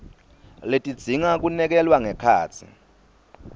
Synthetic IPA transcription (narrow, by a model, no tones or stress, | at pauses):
letʼid̥d͡z̥ʱiŋak̬unɛk̬ɛlwaŋɛkʰa̰ːt͡sʰḭ